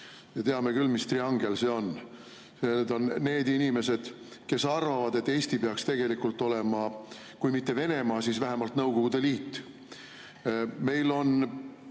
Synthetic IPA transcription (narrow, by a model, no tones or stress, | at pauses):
jɑt̪e̞ɑme̞kylmist̪riɑŋɡ̥else̞o̞n | sened̪o̞nːe̞ːd̪inʲime̞se̞d̪̥ | ke̞sɑrvɑvɑd̪e̞t̪ːe̞ːst̪ipeɑkst̪e̞ɡ̥e̞likult̪ːˑo̞le̞mɑ | kujmit̪ːe̞ve̞ne̞mɑːsiːsvæɦemɑlt̪nɤwko̞ɡ̥ud̪̥e̞liːt̪ː | me̞jlo̞n